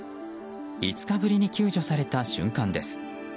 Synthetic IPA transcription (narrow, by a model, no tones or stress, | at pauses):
it͡sɨ̥kabɯ̟ɾʲiɲ̟ikʲɨːʑo̞saɾe̞t̪aɕɨ̰̃ŋkãnd̪e̞sɨ̥